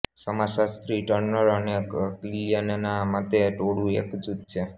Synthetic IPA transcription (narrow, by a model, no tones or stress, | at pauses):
səmasast̪ɾiʈəɾnəɾəneklijənenamat̪eʈoɽũḛkd͡ʒut̪̚t͡ʃʰe